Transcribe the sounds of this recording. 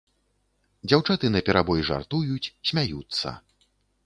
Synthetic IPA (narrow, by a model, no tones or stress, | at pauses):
d͡zʲawt͡ʂat̪ɨnɐpʲɛɾabɔjʐa̰rt̪ujut͡sʲsʲmʲajut̪sːɐ̰